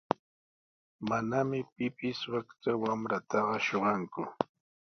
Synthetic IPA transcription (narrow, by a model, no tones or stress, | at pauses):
manamɪpɪpɪswakt̪awamɾat̪ɑɢɑʃoɢɑŋkʊ